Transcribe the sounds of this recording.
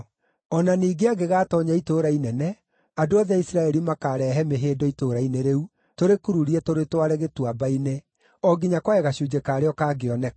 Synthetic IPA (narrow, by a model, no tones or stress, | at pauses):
ɔnaniːɡeaɡeɣaːtɔɲaitoːɾainɛnɛ | adoɔðɛaisiɾaɛɾimakaɾɛɦɛmeɦeːdɔitoɾaineɾeu | toɾekuɾuɾiɛtoɾetwaɾɛɣetwabaine | ɔɡiɲakwaɛɣaɕuːd͡ʒekaːɾeɔkaɡeɔnɛ